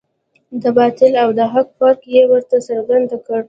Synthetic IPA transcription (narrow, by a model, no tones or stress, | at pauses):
d̪əbɑt̪ɪlawd̪əɦakpɑɾkjewəɾt̪asəɾɡand̪akəɽ